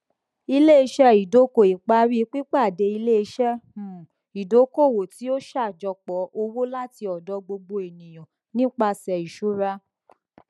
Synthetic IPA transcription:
i˧le˦i˧ʃɛ˦i˨do˨˦ko˨i˨k͡pa˧˦ɾi˦k͡pi˦k͡pa˦˨de˧˦i˧le˦i˧ʃɛ˦ũ˨ | i˨do˨˦ko˦˨wo˨ti˨˦o˦ʃa˦˨d͡ʒɔ˧k͡pɔ˨˦o˧wo˦la˦ti˧ɔ˨dɔ˨˦ɡ͡bo˧ɡ͡bo˧e˨nĩ˨j̃ɔ̃˨ | nĩ˦k͡pa˧sɛ˨i˨ʃu˨˦ɾa˧˦

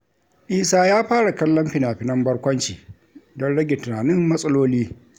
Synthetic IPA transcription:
ʔiː˦saː˦jaː˦ɸaː˦ɽa˨kɐ˦lːɐ˦mɸɪ˦naː˨ɸɪ˨nɐ˦mbɐ˦ɽkʷɐ˦nt͡ʃiː˨ | dɔ˦nɽɐ˦ɡʲe˨tʊ˨naː˨nɪ˦mːɐ˦sʼɐ˦loː˦liː˦

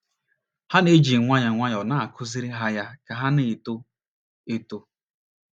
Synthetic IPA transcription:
ha˦ne˦d͡ʒi˨ŋʷa˦ɲa˨ŋʷa˦ɲ˨ɔ˨na˦a˨kʰʊ˦zi˦ɾi˦ɦa˦ja˦ka˨ɦa˦nɪ˦˨to˦ | e˦to˦

